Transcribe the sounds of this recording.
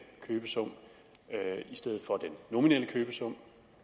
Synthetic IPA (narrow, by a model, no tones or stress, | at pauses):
kʰøːb̥əsɔ̽m̰ | isd̥eð̞̩ˠfɒ̽d̥enːo̝mineləkʰøːb̥əsɔ̽m̰